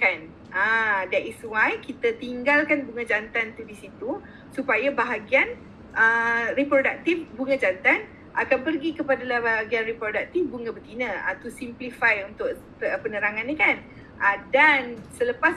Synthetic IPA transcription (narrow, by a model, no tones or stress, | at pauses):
kan | ʔadaʔiswajkit̪at̪iŋɡalkanbuŋãd͡ʒant̪ant̪udisit̪u | supajabaɦaɡian | ʔəripɾodak̚t̪ifbuŋãd͡ʒant̪an | ʔakanpərɡikəpadalahbaɦaɡianripɾodak̚t̪ifbuŋãbət̪inə̃a̰t̪usimplifajunt̪ʊʔ | pənəɾaŋanːikan | ʔadansələpas